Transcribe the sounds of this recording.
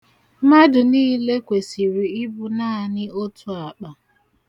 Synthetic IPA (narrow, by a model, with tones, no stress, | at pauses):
ma˦dʊ˨niː˦le˦kʷe˨si˨ɾi˨ɪ˦bʊ˨naː˦˨nɪ˦o˦tʰʊ˦a˨k͡pa˨